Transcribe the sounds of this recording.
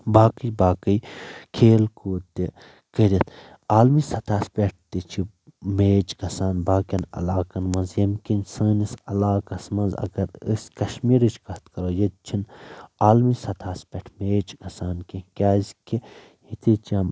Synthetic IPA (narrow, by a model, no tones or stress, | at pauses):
baːkɨjbaːkəjkʰeːlkuːt̪e | kəɾit̪ʰ | aːlmisɐt̪ʰaːspʲeʈ̚ʰt̪it͡ʃʰi | meːt͡ʃkɐsaːnbaːkɐnɐ̰laːkɐnmɐnzjɐmkinsɨːnisɐlaːkɐsmɐ̃nzɐ̰ɡɐɾɨ̰skɐʃmiːɾit͡ʃʰkɐt̪kɐɾoːjet̪̚t͡ʃʰinaːlmisɐt̪ʰaːspʲeʈʰmeːt͡ʃkɐsaːnkikʲaːzʲki | jit̪ʰit͡ʃɐm